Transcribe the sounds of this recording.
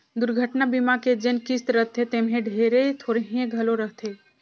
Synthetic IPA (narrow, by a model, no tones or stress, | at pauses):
d̪uɾɡʱəʈnabimaked͡ʒenkist̪ɾəɦt̪ʰet̪emɦẽɖʱeɾet̪ʰoːɾeɦĩẽɡʱəloɾəɦt̪ʰe